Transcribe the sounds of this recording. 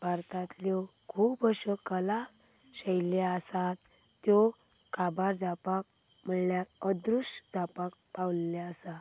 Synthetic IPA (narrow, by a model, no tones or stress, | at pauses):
ʋaɾt̪at̪ljɔkʰupəɕɔkəla | ɕəjlaəsat̪ː | jɔ | kabaɾd͡zapak̚ | m̤əɳljaəd̪ɾusʂd͡zapak̚pawlːaəsa